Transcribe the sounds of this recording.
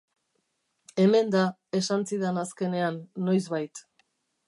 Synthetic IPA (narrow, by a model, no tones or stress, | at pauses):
e̞me̞nd̪a | e̞sansiðenaske̞ne̞anːo̞jzβajt̪